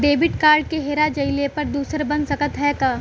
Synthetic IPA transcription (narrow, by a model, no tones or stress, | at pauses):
ɖeːbɪʈkaːɾɖ̚keɦeːɾad͡ʒɐɪlepɐɾd̪uːsəɾbɐnsɐkət̪ɦɛːkaː